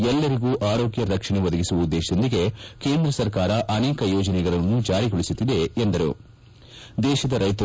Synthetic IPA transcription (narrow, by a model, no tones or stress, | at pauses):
ɛlːɐɾiɡuːʔaːɾo̞ːɡjɐɾɐkʂɐɳeʋɐd̪ɐɡisuʋɐud̪ːeːʃɐd̪ond̪iɡe̞ke̞ːnd̪ɾɐsɐɾkaːɾɐʔɐneːkɐjɔːd͡ʒɐnɛɡɐɭɐnːud͡ʒaːɾiɡoɭisut̪ːid̪e̞ːnd̪ɐɾṵ | d̪ɛːʃɐd̪ɐɾɐjt̪